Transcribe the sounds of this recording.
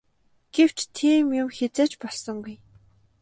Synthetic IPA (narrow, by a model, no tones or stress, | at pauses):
ɡ̥ew̥t͡ɕt̪ʰiːmjʊmxet͡seːt͡ɕpɔɮsɞ̆ŋɡuj